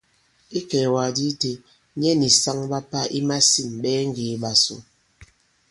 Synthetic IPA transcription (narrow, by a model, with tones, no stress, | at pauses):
i˦kɛː˨wa˨di˦te˨ | ɲɛ˦ni˨sa˦ŋɓa˦pa˦ʔi˦ma˦si˦˨mɓɛː˦ŋ̩˦ɡeː˨ɓa˨so̰˨